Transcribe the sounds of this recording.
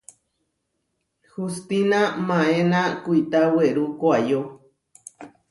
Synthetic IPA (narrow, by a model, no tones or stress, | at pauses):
hust̪inamãenakuit̪aweɾukʷajo